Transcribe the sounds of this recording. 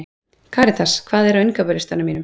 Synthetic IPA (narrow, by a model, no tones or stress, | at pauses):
kʰaːɾɪt̪ʰaskʰv̥aːðɛɾaʏnkapœlɪst̪anamiːnʏm